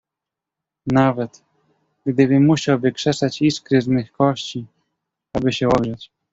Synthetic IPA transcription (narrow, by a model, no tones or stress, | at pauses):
navɛt̪ | ɡd̪ɘbɘmuɕawbɘkʂɛsat͡ɕiskɾɘznɘxkɔɕt͡ɕi | abɘɕɛɔɡʐɛt͡ɕ